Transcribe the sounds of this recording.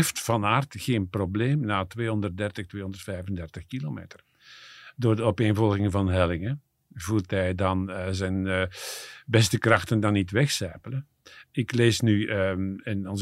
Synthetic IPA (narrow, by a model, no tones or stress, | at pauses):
ftfɑnaːrtxeːnprobleːmnaːtʋeːɦɔndərt̚dɛrtəxtweːɦɔnd̪ərtfɛjvəndɛrtəxkilomḛːtər | doːrdəɔpeːnvɔlˠɣɪŋvɑnɦɛlɪŋə | vulˠtɦɛjdɑnəzɛn | bɛstəkrɑxtəndɑnːitʋɛxsɛːpələ | ɪkleːsnyəɛnɔnz